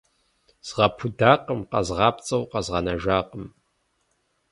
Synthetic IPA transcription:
z̥ʁɐpʰudaːqəmqɐ̰zʁɑːpt͡sʼɐwqɑzʁɐnɐʒaːqʼəm

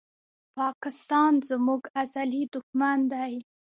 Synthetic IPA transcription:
pɑkɪst̪ɑnzmuɡazalid̪ʊxmand̪aj

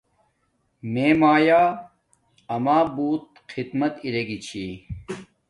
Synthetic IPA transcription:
meːmaːjaː | ɐmaːbuːt̪̚ | qʰid̪mɐt̪iɾeɡit͡ɕʰiː

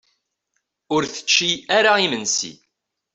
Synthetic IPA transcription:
ʊɾθə̥t͡ʃːiaɾaimənsḭ

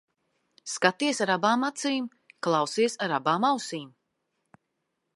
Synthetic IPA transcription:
skat̪iɛsaɾabaːmat̪siːm | klˠɑwsiɛsaɾabaːmawsiːm

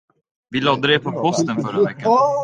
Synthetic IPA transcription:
vɪlɔd̪ːəd̪ɛpʰɔpʰɔst̪ənfœɾavɛkːa

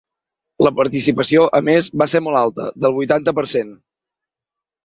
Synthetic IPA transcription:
ləpəɾt̪isipəsioʔəmezβaseɾmɔlˠalˠt̪ə̰ðəlˠβujt̪ant̪əpəɾsen

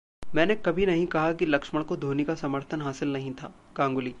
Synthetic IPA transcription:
mɛ̃ːnekɐbʱinɐɦĩkɐɦakilɐkʃməɭkod̪ʱoːnikasɐməɾt̪ʰənɦaːsɪlnɐɦĩt̪ʰa̰ːkãːŋɡʊliː

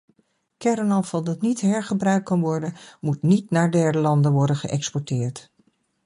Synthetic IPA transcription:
kɛɾənɑfɑlˠdɑtnitɦɛɹχəbrœɥk̚kɑnʋɔɹdənmutnitnaːɹdɛɹdəlɑndənʋɔɹdənχəʔɛkspɔɹtɪːɹt

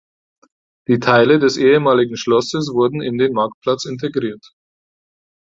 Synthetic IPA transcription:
d̥iːtʰaɪlədɛsʔeːəmaːlɪɡŋ̩ʃlɔsəsv̥ʊɐdn̩ɪndeːnmaɐk̚t̚pl̥at͡sɪntʰeɡʁiːɐt

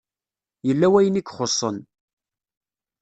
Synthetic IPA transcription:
jəlːæwæjənikʷːχosˤːə̰n

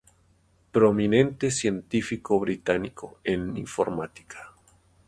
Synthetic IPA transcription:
pɾomĩnẽnt̪esjent̪ifikoβɾit̪anikʰoeniɱfo̰ɾmat̪i̥kʰḁ

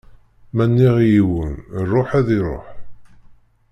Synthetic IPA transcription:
mænːiʁjiwənrˤːoħæðiɾˤo̰ħ

